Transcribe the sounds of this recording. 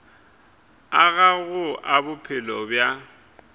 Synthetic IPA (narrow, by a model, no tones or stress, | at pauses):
aɣaɣʊʔabʊpʰɪlɔbja